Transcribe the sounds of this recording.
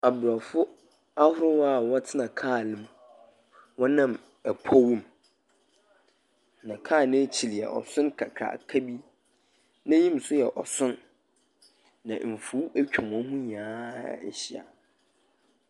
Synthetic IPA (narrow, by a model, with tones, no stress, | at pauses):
a˨bʊ˨ɾa˨fʊ˦ | a˦hʊ˦ɾʊ˦wɔ˦˨wɔ˦tʰɪ˦nã˨kʰaː˦˨lɪ̃˦m | wɔ̃˦nã˦˨m | æ˨kʰɔ˦wũ˦m | nã˨kʰaː˦˨nɪ̃˦t͡ɕʰi˨li˨ɛ̰˨ʔɔ̰˨sʊ̃˦nkʰa̰˨kʰɾa̰˨kʰa˦bi˦ | nã˦ɲĩ˦m˨sʊ˦jɛ˨ʔɔ˨sʊ̃˦n | ã̰˨m̩˨fu˦æ˦kᶣã˨m˨ɔ̃˦ɦʊ̃˦ɲãː˨˦ɛ̰˨ɕi˨a̰˨